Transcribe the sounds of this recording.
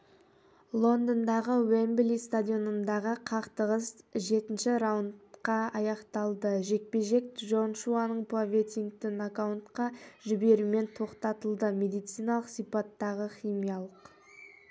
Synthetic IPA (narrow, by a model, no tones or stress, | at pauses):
lˠo̞nd̪ənd̪ɑʁəwemblist̪ad̪ʲijo̞nənd̪ɑʁəqʰɑqt̪əʁəsʒe̞t̪ɪnʃɪɾawnt̪qɑɑjɑqt̪ɑlˠd̪əʒe̞k̚pe̞ʒe̞k̚ʒo̞nʃuanəɴpavʲet̪ʲiŋkt̪ɪnakawnt̪qɑʒʏbe̞ɾume̞nt̪ʰo̞qt̪ɑt̪əlˠd̪əme̞d̪ijt̪sijnɑlˠəqsijpɑt̪ːɑʁəχʲimijɑlˠəq